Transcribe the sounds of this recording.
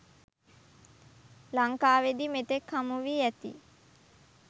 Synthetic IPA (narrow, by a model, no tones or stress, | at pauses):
laŋkaːʋed̪imet̪ekhamuʋiæt̪ḭ